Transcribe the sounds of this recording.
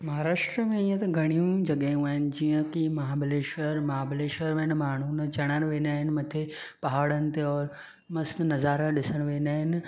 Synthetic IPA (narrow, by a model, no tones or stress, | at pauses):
mɐɦaːɾaːʃʈɾəmẽiːə̃t̪ɐɡʱɐɽ̃ijũd͡ʑɐɠajũaːɦɪnɪ̆d͡ʑijə̃kimɐɦaːbɪleːʃəɾmɐɦaːbɪleːʃəɾʋen̆maːɳ̤unt͡ɕɐɽ̃əɽ̃ɪ̆ʋẽːnaːɦɪnmɐt̪ʰe | pɐɦaːɽənɪ̆t̪eɔːɾ | mɐsnnɐzaːɾaɗɪsəñɪ̆ʋeːnaːɦɪnɪ̆